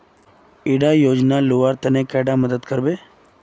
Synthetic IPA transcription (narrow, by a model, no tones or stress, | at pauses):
iɽajoːd͡ʒnaluʋaɾt̪ənekɛɽaməd̪əd̪kəɾbeː